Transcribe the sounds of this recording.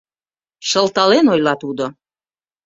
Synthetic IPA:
ʃəlt̪ɑlenojlɑt̪ud̪o

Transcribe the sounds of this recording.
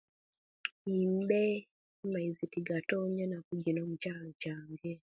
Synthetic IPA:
iːmbe | maizitiɡatoːɲanakuɟinomucaːlocaːŋɡe

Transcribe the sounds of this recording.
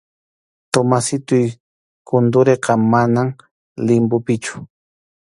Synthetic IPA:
t̪omasɪt̪ʊj | kʊnd̪ʊɾeqɑmanam | lɪmbʊpɪt͡ʃʊ̥

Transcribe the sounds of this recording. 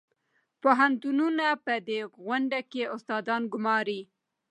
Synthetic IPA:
poɦant̪ununapəd̪eɣwaɳɖakeʊst̪ɑd̪ɑnɡʊmɑɾi

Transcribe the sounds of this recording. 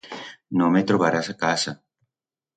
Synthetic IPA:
nõmet̪ɾoβaɾasakasa

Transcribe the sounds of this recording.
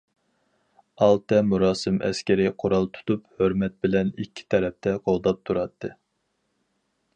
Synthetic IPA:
ɑlˠt̪ɛmuɾɑːsɨmʔɛ̰skʲɪɾɪqʰoɾɑlˠt̪ʰu̥t̪uphøɾmɛt̪̚bɪlɛnikʲʰːi̥t̪ʰɛɾɛp̚t̪ʰɛqʰolˠd̪ɑp̚t̪ʰuɾɑt̪ʰːɨ

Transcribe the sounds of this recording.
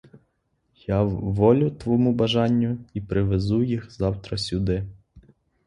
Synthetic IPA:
jɑwːɔlʲʊt̪ʋɔmubɐʒɑnʲːʊipɾɪʋezujixzɑwt̪ɾɐsʲʊd̪ɪ

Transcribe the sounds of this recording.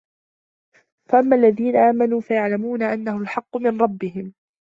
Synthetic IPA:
faʔamːaʔlːaðiːnaʔaːmanuːfajaʕlamuːnaʔanːahʊlħɑqːʊmɪnɾˤɑbːɪɦɪm

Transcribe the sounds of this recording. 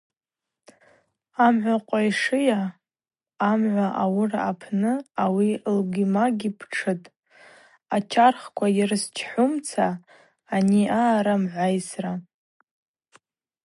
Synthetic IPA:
amʕʷaqʷʼajʂɨjaː | mʕʷaʔawʊraapʰnɨawilɡimaɡʲipʰʈ͡ʂʰɨtʼ | at͡ʃʲʰarχkʷʰajɪrst͡ʃʰħʷʊmt͡sʰaː | niaːɾamʕʷajsra

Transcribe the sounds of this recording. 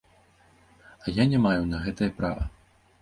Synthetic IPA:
ɐjanʲɛmajunɐɣɛt̪ɐjɐpɾa̰vɐ̰

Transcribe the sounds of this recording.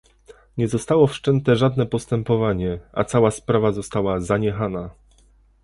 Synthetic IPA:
ɲɛzɔst̪awɔfʂt͡ʂɛnt̪ɛʐad̪nɛpɔst̪ɛmpɔvaɲɛa̰t̪sawaspɾavazɔst̪awazaɲɛxana

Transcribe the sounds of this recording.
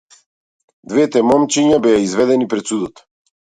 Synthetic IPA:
d̪vɛt̪ɛmɔmt͡ʃiɲabɛjaizvɛd̪ɛnipɾɛt̪sud̪ɔt̪

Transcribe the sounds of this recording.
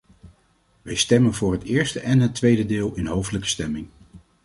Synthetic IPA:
ʋəjstɛmənvʊːɹɦətɪːɹstəʔɛnɦətʋejdədɪːlˠɪnɦowfdələkə̥stɛmɪŋ

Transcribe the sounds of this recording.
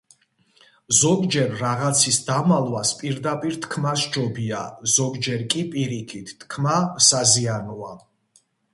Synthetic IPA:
zɔɡd͡ʒɛɾːaʁat̪sʰisd̪amalˠwaspʼiɾd̪apʼiɾt̪ʰkʰmasd͡ʒɔbia̰z̥ɔɡd͡ʒɛɾkʼipʼiɾikʰit̪ʰtːʰkʰmasazianɔa

